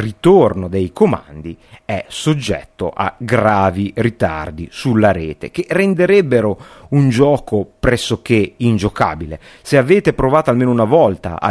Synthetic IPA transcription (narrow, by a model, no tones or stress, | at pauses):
rit̪ornod̪ejkoma̰nd̪iɛsod͡ʒːɛ̰t̪ːo̰ʔa̰ɡɾaːvirit̪a̰rd̪isulːaɾeːt̪ḛk̟erend̪eɾɛbːeɾound͡ʒɔːkopɾɛsːok̟eind͡ʒoka̰ːbile | seaveːt̪epɾovaːt̪oalmeːnounavɔlt̪a̰a̰